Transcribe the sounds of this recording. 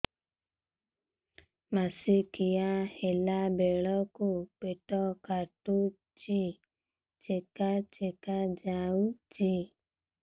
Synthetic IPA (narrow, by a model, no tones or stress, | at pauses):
masikijahelabelɔkupetɔkatu | t͡ʃi | t͡ʃekat͡ʃekad͡ʒaut͡ʃi